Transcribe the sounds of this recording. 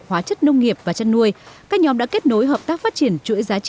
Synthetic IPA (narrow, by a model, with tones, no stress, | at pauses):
hwaː˨˦t͡ɕə˦˥t̚nə˧wŋ͡mŋi˨˩əp̚vaː˨˩t͡ɕa˧nːu˧əjkaː˦˥k̚ɲɔ˨˦mɗa̰˧˥ke˦˥t̚no˨˦jɦəː˨˩p̚t̪aː˦˥k̚faː˦˥t̚t͡ɕi˧˩ənt͡ɕṵ˧˥əjzaː˨˦